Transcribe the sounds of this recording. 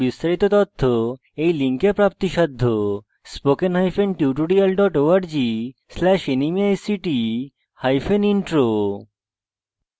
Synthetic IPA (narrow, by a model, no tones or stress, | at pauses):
bist̪aɾit̪ot̪ot̪ʰːo | ejliŋkeɾpɾap̚t̪iʃad̪ʱːo | spokenɦajfenʈjiʈoɖialɖɔʈoaɾd͡ʑislɛʃenimiajsiʈi | hajfeniɳʈɾo